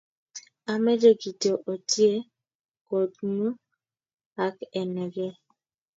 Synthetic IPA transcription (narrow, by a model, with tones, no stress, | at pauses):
a˨mɛ˦d͡ʒe˦ɡi˨to˨ʔo˨ti˦e˦ | ko˨tnu˦ | a˨˦kɛ˨nɛ˨ɡɛ˦